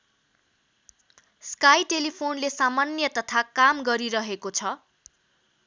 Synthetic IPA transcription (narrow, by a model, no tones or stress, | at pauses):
skajʈelipʰonlesamanjʌt̪ʌt̪ʰakamɡʌɾiɾʌɦekot͡sʰʌ